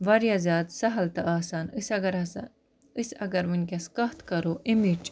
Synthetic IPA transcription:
ʋɐɾjazaːd̪sɐɦɐlt̪ɐʔaːsaːnsɐɡɐɾɐ | isɐ̰ɡɐɾʋinʲkʲɐskɐht̪kɐɾoːʔimid͡ʒ

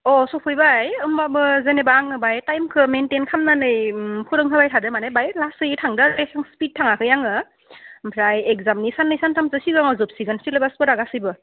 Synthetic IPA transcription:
ɔsɔpʰɯjbajɯmbabɯzenebaŋɯbajtajmkʰɯmentenkʰamnanɯjpʰuɾɯŋɦɯbajtʰadɯmanajbajlasɯjtʰaŋdazɯhaŋspit̚tʰːaŋakʰɯjaŋɯ | mpʰɾajekzamnisanːɯjsantʰamsɯsiɡaŋɔzɯp̚siɡansilabaspɯɾaɡasɯjbɯ

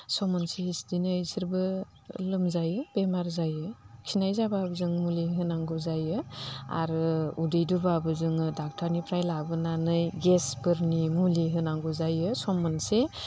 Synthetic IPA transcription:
sɔmɯnseisdinɯjsʰiɾbɯ | lɯmzajɯb̥emaɾzajɯkʰinajzababɯzɯŋmuliɦɯnaŋɡɔzajɯa̰ɾɯudɯjduɾbabɯzɯŋɯdak̚tʰaɾnipʰɾajlabɯnanɯjɡesbɯɾnimuliɦɯnaŋɡɔzajɯsɔmɯnse

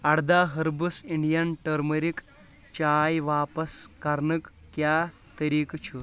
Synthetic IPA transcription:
ɐɽd̪aːɦɐɾbusiɳɖijɐnʈəɾməɾik | t͡ʃaːjʋaːpɐskɐɾnɨk | kjaː | t̪ɐɾiːkt͡ʃʰu

